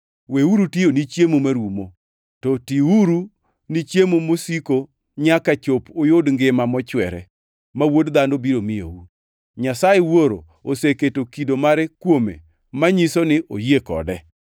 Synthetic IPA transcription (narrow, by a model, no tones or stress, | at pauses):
weuɾutjeonit͡ʃjemomaɾwumo | tɔtiuɾu | nit͡ʃjemomosiko | ɲakat͡ʃopojʊdŋɡɪmamɔt͡ʃwɛɾɛ̰ | mawodd̪andobiɾomɪjo̰wu | ɲasajewoɾo̰ | oseketokidomaɾɛkwomḛ | maɲisonɪʔojekɔ̰dɛ